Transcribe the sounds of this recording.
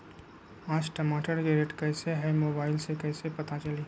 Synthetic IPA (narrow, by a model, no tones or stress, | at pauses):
aːd͡ʒʈəmaːʈəɾɡeɾeʈkɛːseɦɛmoːbaːɪlsekɛːsepɐt̪at͡ʃəliː